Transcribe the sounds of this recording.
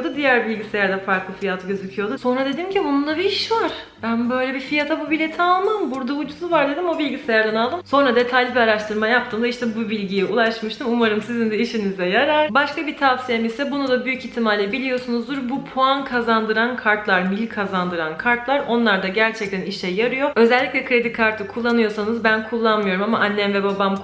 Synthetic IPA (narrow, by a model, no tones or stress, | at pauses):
od̪ud̪ijæɾbilʲɟise̞jæɾd̪ɛfaɾklˠɯfijat̪ʰɯɟøzycʰijo̞d̪uso̞nɾad̪e̞d̪imcʰibunund̪abiiʃvaɾ̥bænbø̞jlʲɛbifijat̪ʰabubilʲet̪ʰɛalˠmambuɾd̪aud͡ʒuzuvaɾd̪e̞d̪imo̞bilʲɟise̞jæɾd̪ɛnalˠd̪ɯmso̞nɾad̪e̞t̪ʰajlʲibiaɾaʃt̪ʰɯɾmajap̚t̪ɯːmd̪aiʃt̪ʰɛbubilʲɟijɛʔulˠaʃmɯʃt̪ɯmumaɾɯmsizind̪ɛiʃinizɛjaɾaɾbaʃkʰabit̪ʰafsijemisɛbunud̪abyjycit̪ʰːimalʲɛbilʲijo̞sunuzd̪uɾbupʰoankʰazand̪ɯɾankʰaɾt̪lˠaɾmilʲkʰazand̪ɯɾankʰaɾt̪lˠaɾo̞nlˠaɾd̪aɟæɾt͡ʃʰɛc̚t̪ʰæniʃɛjːaɾɯjo̞ø̞zɛlʲːiclʲɛkʰɾe̞d̪ikʰːaɾt̪ʰɯkʰulˠːanɯjo̞sanɯzbænkʰulˠːanmɯjo̞ɾumamaʔanːɛnvɛbabam